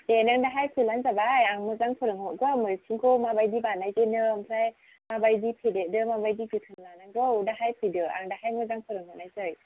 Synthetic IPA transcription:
denaŋdaɦajpʰɯlanzabajaŋmɯzaŋpʰɯɾɯŋɦoɡɔmɯsʰiŋkʰomabajdibanːajzəjnɯmsaj | mabajdipʰededɯmabajdiɡɯt̪ʰɯnlanaŋɡowdaɦajpʰɯjdɯʔa̰ŋdaɦajmɯzaŋpʰɯɾɯŋɦonajzəj

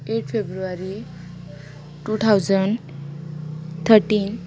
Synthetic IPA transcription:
eʈpʰebɾuaɾi | ʈut̪ʰawd͡zən | t̪ʰəɾʈin

